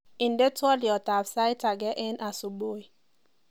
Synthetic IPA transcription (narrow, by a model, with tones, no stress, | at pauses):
i˨n˨de˦twɔ˦li˨ɔ˨ta˨fsa˦i˦ta˨ɡɛ˦ʔɛ˦na˨su˨bo˦i˨